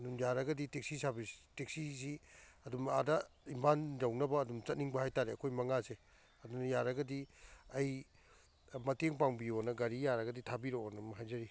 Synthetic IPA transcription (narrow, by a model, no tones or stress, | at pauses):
ɐdumjaɾɐɡɐditeksisabistek̚sisiɐdumadɐ | impʰandawnɐbɐːdumt͡ʃɐt̚niŋbɐhajtaɾeɐkʰojmɐŋase | ɐdunɐjaɾɐɡɐdiɐj | mɐteŋp̬awbionɐɡɐɾijaɾɐɡɐditʰabiɾoonɐmɐɦajzɐɾi